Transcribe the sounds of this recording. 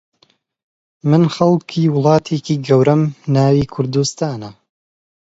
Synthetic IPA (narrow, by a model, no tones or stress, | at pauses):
mɨnxɐlˠkʰiːwʊlˠɑːt̪ʰeːkiːɡɐwɾɐmnaːwiːkʰʊɾd̪ust̪aːnɐ